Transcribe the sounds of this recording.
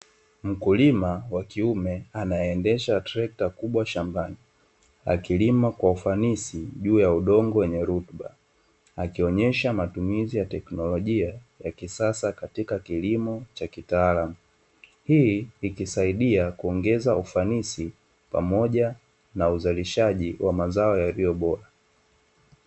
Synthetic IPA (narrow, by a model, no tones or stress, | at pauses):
m̩kulimawakiumɛanajɛɛndɛʃatɾɛk̚takuɓwaʃambani | a̰kilimakwaufanisiʄuːjauɗɔŋɡɔwɛɲɛɾutɓa̰ | akiɔɲɛʃamatumizijatɛknɔlɔʄiajakisasakatikakilimɔt͡ʃakitaːlamu | hiːkisaiɗiakuɔŋɡɛzaufanisi | pa̰mɔʄa | nauzaliʃaʄiwamazaɔjalijɔɓɔɾa